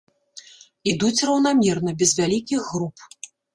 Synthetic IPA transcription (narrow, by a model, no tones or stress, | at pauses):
id̪ut͡sʲrɐwnamʲɛrnɐbʲɛzvʲalʲikʲiɣːɾup̚